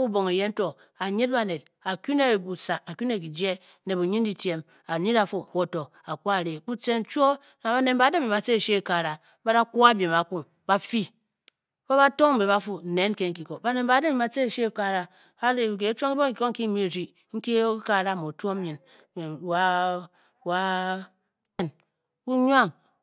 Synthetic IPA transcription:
u˦bo˨ŋe˨je˦n̩˦to˨ | a˨ɲi˦t̚ba˨ne˨d̚ | a˨ku˦ne˦˨bu˨sa˨ka˨ku˦ne˨ki˨d͡ʒe˦ | ne˨bu˨ɲi˦n˦di˨tje˦m | a˨ɲi˦ɾa˨fu˦˨wo˦to˨ | a˨ku˦a˨ɾe˨ku˦t͡se˦n̩˦t͡ʃʷo˦ | na˨ba˨ne˨mba˨˦de˦m˦i˨ma˨t͡se˦˨ʃe˦˨ka˨ɾa˨ | ba˦ɾa˦ku˦a˦bje˨ma˨ku˦ŋ | ba˦fi˦ | ba˦βa˦to˦ŋ̩˦be˨βa˦fu˦n̩˨ne˨˦n˦ke˦ŋ̩˦ki˨ko˨ba˨ne˨mba˨˦de˦m˦i˨ma˨t͡se˦˨ʃe˦˨ka˦ɾa˨ | a˦ɾe˨ke˨˦t͡ʃo˦ŋi˦bo˦ŋ˦ki˨ko˦ŋ̩˦ki˦mi˦˨ɾi˨ | ŋ̩˦ki˦ka˦˨ɾa˦˨mo˨tu˦o˦m˦i˨n˨ | wa˦ | wa˦ | e˦n | u˦ɲwa˦˨ŋ

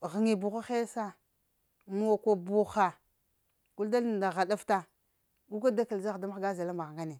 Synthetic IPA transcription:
ɣi˨ŋi˨bu˨xu˦xe˦sa˦ | mu˦a˨ko˨bu˦xa˨ | ku˦lda˦lda˨ɣa˨da˦fta˦ | u˦ka˦da˦ka˨lza˦xda˦m˦ɡa˦za˨la˦mba˨ɣŋɡa˦ne˨

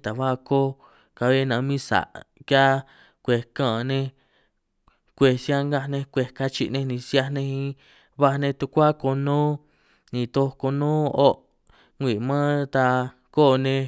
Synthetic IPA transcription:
t̪a˨βa˦˧ko˦ | ka˧βe˦˧nã˨˧mĩ˦sa̰˨ʔkja˦ | kʷe˨kã˦˧nẽ˧ | kʷe˧sja˦ŋɡa˦nẽ˧kʷe˧ka˦t͡ʃi˧ʔnẽ˧nĩ˧sja˧nẽ˧hĩ˧ | βa˧nẽ˧t̪u˧kʷa˦ko˧nõː˦ | nĩ˧˨t̪o˧ko˧nõː˦o˦ | ŋʷi˨mãː˦t̪a˧ | ko˦˧nẽ˧

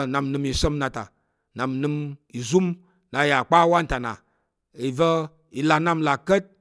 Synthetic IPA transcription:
na˨mnɨ˧˨mi˨sə˦mna˨ta̰˨ | na˨mnɨ˧mi˨zu˦m | na˨˧˦ja˨k͡pa˦wa˦n̩˦ta˨na̰˨ | i˨və˦ | i˨la˨na˦mla˨kə˦t̚

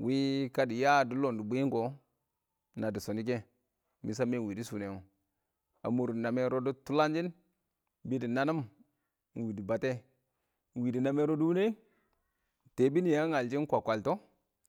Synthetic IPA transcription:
wi˦ka˦di˨ja˦˨du˦lo˨ndu˨bu˦i˦ŋɡo˨ | na˨di˨so˨ni˦k̬e˦ | mḭ˨˦s̬a˦me˦˨wi˨di˦su˨ne˨ŋo˨ | a̰˨mu˨ɾu˨na˨me˦ɾo˦du˦tu˦la˦nd͡ʒi˦n | bi˦di˨na˦nu˦m | n˨wi˨di˨ba˨te˦˨ | wi˨di˨na˨me˦ɾo˦du˦wu˦ne˦ | te˨bi˦ni˨ja˦ŋa˨ld͡ʒi˦n˦kʷa˨kʷa˨lto˦

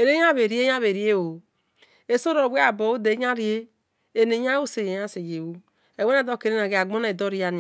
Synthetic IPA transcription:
e˨ɾe˦a˦βe˨ɾi˦e˦a˦βe˨ɾi˨˦e˦o˨ | e˨so˦ɾo˨be˦a˨bo˨˦o˦de˨˦ɲ˦a˦ɾi˦e˦ | e˨ne˨ɲ˦a˦o˦se˨je˨ja˦se˨je˨wu˦ | e˨we˦a˦˨do˦˨ke˨ɾe˦na˨ɡe˨a˨ɡ͡bo˦na˨do˦ɾi˦a˨˦n˨

